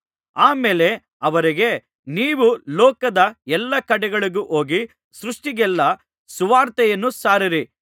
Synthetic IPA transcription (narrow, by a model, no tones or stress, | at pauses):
aːmeːle̞ | ɐʋɐɾiɡe̞ | niːʋulɔːkɐd̪ɐɛlːɐkɐɽɛɡɐɭiɡuʔoːɡi | sɾuʂʈiɡɛlːɐ | suʋaːɾt̪ɛjɐnːusaːɾiɾi